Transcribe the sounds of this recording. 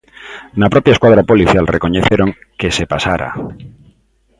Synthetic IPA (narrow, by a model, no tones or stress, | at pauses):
napɾopjaeskwað̞ɾapoliθjalreko̞ɲeθjeɾo̞ŋ | kesepasaɾa̰